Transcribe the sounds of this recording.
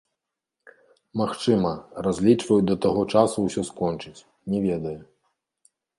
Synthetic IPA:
maxt͡ʂɨmɐrazʲlʲit͡ʂvɐjud̪ɐt̪aɣɔt͡ʂasuwsʲɔskɔnt͡ʂɨt͡sʲ | nʲɛvʲɛd̪ɐju

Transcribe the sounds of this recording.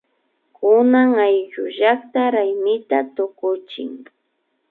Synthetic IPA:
kʰʊnaŋajʒʊʒakt̪aɾajmɪt̪at̪ʊkʊt͡ʃɪ̰ŋ

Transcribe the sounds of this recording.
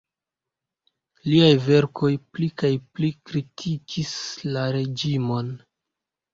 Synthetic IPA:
liajve̞ɾko̞jplikajplikɾitʰikʰislaɾe̞d͡ʒimo̞n

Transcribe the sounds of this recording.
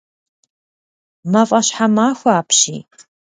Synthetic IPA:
mɐfʼɐɕħamaːxʷaaːpʰɕḭː

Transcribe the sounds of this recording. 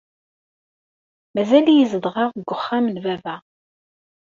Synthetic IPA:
mæzælijəzəd̪ˤʁɑʁɡʷʊχːamənvævæ

